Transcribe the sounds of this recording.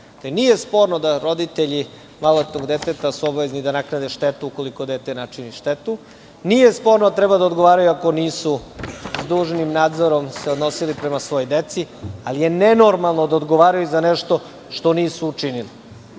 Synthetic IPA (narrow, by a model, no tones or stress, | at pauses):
t̪eniːjespo̞ɾnod̪aɾo̞d̪it̪eʎi | maloet̪noɡd̪et̪et̪asuobaʋeznid̪anaknad̪eʃt̪et̪uuko̞liko̞d̪eːt̪enat͡ʂiniʃt̪et̪u | nijespo̞ɾnod̪at̪ɾɛbad̪aod̪ɡo̞ʋaːɾajuako̞niːsuzd̪uːʒnimnaːd̪zo̞ɾo̞mseo̞d̪no̞silipɾemasʋo̞jojd̪et̪sialije̞neno̞ɾmalˠno̞d̪aod̪ɡoʋaːɾajuzaneʃt̪o̞ | ʃt̪o̞niːsuːt͡ʂinili